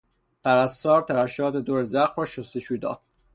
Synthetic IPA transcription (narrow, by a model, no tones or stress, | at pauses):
pʰæɾæst̪ɒːɾt̪ʰæɾæʃɒːt̪ed̪oːɾezæxɾɒːʃost̪eʃuːd̪ɒ̰ːd̪̥̚